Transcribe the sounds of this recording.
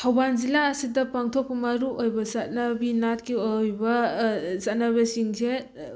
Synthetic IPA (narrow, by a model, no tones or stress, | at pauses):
tʰawbanzilaːsidɐpaŋtʰok̚pɐmɐɾuʔojbɐzat̚nɐbinat̚kiojbɐzat̚naβesiŋze